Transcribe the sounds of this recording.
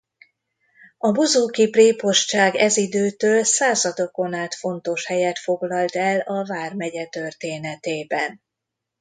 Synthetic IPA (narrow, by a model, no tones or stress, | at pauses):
ɒbozoːkipreːpo̞ʃt͡ʃaːɡɛzid̪øːt̪øːlsaːzɒd̪o̞ko̞naːt̪fo̞nt̪o̞ʃhɛjɛt̪fo̞ɡlɒlt̪ɛlɒvaːrmɛɟɛt̪ørt̪eːnɛt̪eːbɛn